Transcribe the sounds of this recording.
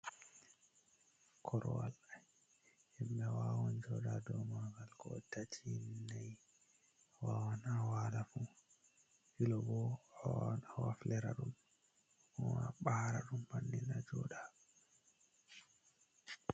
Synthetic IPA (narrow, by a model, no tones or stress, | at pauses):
kʰɔɾɔwa̰la | himbɛwawɔnd͡ʒɔɗadɔmaɡalkɔtatʰinaj | wawanawalafu | hilɔbɔawanawaflɛɾa̰ɗum | ɔwaɓaɾaɗumbanːinad͡ʒɔɗa